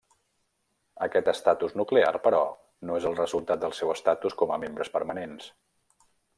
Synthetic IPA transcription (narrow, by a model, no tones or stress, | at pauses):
əkɛt̪əst̪at̪uznuklea̰rpəɾɔ | noezəlˠrəzulˠt̪at̪̚d̪əlˠsɛwəst̪at̪uskɔməmembɾəspəɾmənens